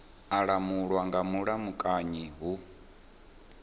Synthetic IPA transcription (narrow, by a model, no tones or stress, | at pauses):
aɺamuɺwaŋɡamuɺamukʼaɲiɦu